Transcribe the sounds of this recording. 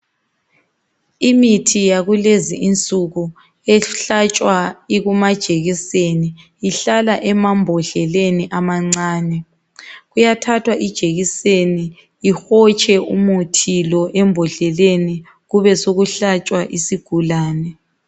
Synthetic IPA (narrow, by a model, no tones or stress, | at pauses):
imitʰijaɣulezḭʔint͡sʼuɣu | ɛɬat͡ʃʼwaiɣumad̥ʒ̥ʱeɣiseni | iɬalaʔɛmambʱɔɬɛleniʔamaŋ͡ǀaːnɛ | ɣujatʰatʰwaʔid̥ʒ̥ʱeɣiseniː | xɔt͡ʃʼɛʔumutʰilɔʔɛmbʱɔɬɛleni | ɣuβɛsoɣuɬat͡ʃʼwaʔisiɡ̥ʱulaːnɛ